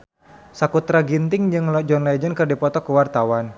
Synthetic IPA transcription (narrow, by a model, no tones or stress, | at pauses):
sakut̪ɾaɡint̪ɪŋd͡ʒɨŋlɔd͡ʒɔnlad͡ʒənkɨrdipɔt̪ɔkuwart̪awan